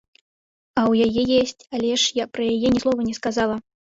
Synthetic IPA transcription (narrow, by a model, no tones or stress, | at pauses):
ɐwjajɛjɛsʲt͡sʲalʲɛʂjapɾɐjajɛnʲɛslˠɔvɐnʲɛskazalˠɐ